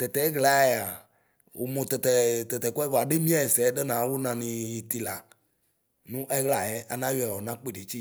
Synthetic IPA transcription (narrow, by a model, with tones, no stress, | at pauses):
t̪ɛ˨t̪ɛ˨˦ɣla˨˦jɛ˨a˨ | wo̰˨mõ˨t̪ɛ˨t̪ɛ˨t̪ɛ˨t̪ɛ˨kɔ˦ɛ˦va˨ɖe˦mĩ˦a˦˨jɛ˨sɛ˨˦ɖe˦nã˨˦wo˦nã˨nĩ˨ji˨t̪i˨la˨ | nũ˦ʔɛ˦ɣla˨jɛ˦a˨nã˦jɛ˨ɔ˨nã˦k͡pe˦˨ɖe˨t͡ʃi˦